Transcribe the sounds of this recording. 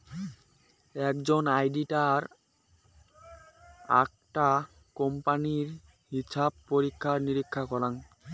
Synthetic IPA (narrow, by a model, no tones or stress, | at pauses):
ɛk̚d͡ʑonajɖiʈaɾ | a̰k̚ | ʈa | kompaniɾ | ɦiʃab̚poɾikʰːaɾniɾikʰːakɔlaŋ